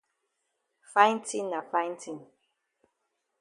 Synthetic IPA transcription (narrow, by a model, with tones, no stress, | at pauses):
fa˦ɪ˦n̩˦tʰi˦nna˨fa˦ɪ˦n̩˦tʰi˦n